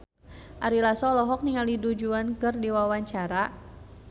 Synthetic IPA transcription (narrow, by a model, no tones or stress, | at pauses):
ʔaɾilasɔlɔɦɔk̚niŋalidud͡ʒuankɨrdiwawaɲt͡ʃaɾa